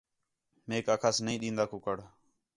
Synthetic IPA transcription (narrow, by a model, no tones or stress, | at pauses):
meːkaːkʰaːsnəĩːɗĩːnd̪aːkʊkəɽ